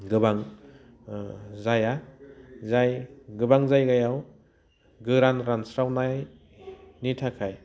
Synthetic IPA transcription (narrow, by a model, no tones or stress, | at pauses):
ɡɯbaŋ | zaja | zajɡɯbaŋzajɡajaw | ɡɯɾanɾansɾawnaj | nitʰakʰaj